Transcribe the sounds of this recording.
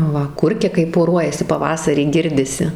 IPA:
ˈʋɐ ˈkʊrʲkʲɛ kɐɪ poːˈruɔjɛsʲɪ pɐˈʋɑːsɐrʲiː ˈɡʲɪrʲdʲɪsʲɪ

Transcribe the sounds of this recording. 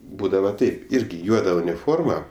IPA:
ˈbuːdɐʋɐ ˈtɐɪp ˈɪrʲɡʲɪ ˈjuɔdɐ ʊnʲɪˈfoːrmɐ

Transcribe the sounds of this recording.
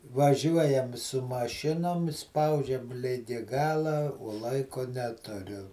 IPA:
ʋɐˈʒʲuɔjɛm sʊ mɐˈʃʲɪnoːm ˈspɐʊd͡ʒʲɛm ˈlʲɪɡʲɪ ˈɡɑːlˠɐ oː ˈlˠɐɪkoː ˈnʲæːtʊrʲʊ

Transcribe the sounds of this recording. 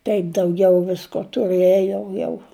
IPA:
ˈtɐɪp dɐʊˈɡʲɛʊ ˈʋʲɪskoː tʊˈrɘjoː jɛʊ

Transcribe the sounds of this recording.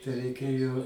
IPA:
tɐɪ rʲɛɪˈkʲeːjoː

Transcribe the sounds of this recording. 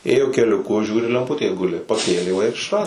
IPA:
ˈeːjoː kʲɛlʲʊˈkʊ ˈʒʲuːrʲɪ lʲɛmˈpʊtʲeː ˈɡʊlʲɪ pɐˈkʲeːlʲeː ʋɐ ɪr ɪʃˈrɑːdoː

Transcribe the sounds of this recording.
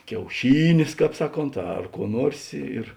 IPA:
kʲɛʊˈʃʲiːnʲeːs ˈkɑːp ˈsɑːˌkoːnt ɐr kuɔ ˈnuɔrʲsʲ ɪ ɪr

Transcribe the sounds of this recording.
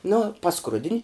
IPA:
nʊ pɐˈskrʊdʲɪnʲ

